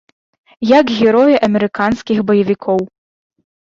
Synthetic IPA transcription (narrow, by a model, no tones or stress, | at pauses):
jɐɡɣʲɛɾɔjɛʔɐmʲɛɾɨkanskʲixbɐjɐvʲikʰɔw